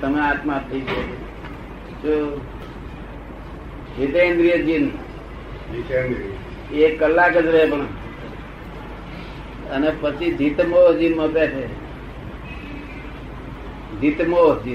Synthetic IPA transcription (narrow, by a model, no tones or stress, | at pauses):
t̪əmeat̪mãpːʰiikoke | t͡ʃo | t͡ʃet̪end̪ɾijəd͡ʒin | ekːəlːakəd͡ʒɾəɦepəɳ̃ | ənepət͡ʃʰid̪ʱit̪mod͡ʒinməpetʰe | d̪ʱit̪mod͡ʒi